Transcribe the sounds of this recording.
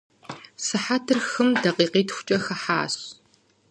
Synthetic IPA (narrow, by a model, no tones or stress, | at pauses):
sɨħatʰɨrxɨmdɐqiːqiːtʰxʷʊ̥t͡ʃʼɐxɐħa̰ːɕ